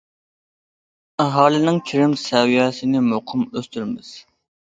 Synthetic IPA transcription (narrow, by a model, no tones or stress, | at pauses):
æɦɑːlˠɪnɪŋkʲʰiɾɪmsɛwijɛːsɪnɪmoqʰɨmøst̪yɾmɪz̥